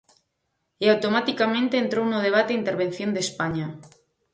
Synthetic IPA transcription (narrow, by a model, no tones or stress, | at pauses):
eawt̪omat̪ikamẽnt̪eːnt̪ɾownoðeβ̞at̪eint̪eɾβ̞enθjond̪espaɲa